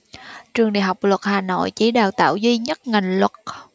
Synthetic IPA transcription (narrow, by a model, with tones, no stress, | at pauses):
t͡ɕɨ˨˩əŋɗḭ˧˨əɦa˨˩wk͡p̚lwə˨˩t̚haː˨˩no̰˧˨jt͡ɕi˧˨˦ɗaː˨˩wt̪a̰ː˧˨wzi˧ɲə˦˥t̚ŋa˨˩jŋlwə˨˩t̚